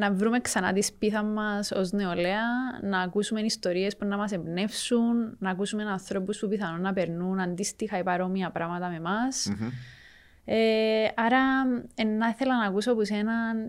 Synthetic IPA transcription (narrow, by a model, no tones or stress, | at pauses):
nɐvɾumeksɐnɐ̰t̪ispiθɐmmɐso̰zne̞ole̞ɐnɐːkusume̞nist̪o̞ɾie̞spunːɐmɐs̬ebne̞fsunːɐːkusume̞nɐnθɾo̞puspupiθɐnunːɐpe̞ɾnunɐnd̪ist̪ixɐipɐɾo̞miɐpɾɐmɐt̪ɐme̞mɐs | eɐɾɐenːɐθelɐnɐːkusopusenɐn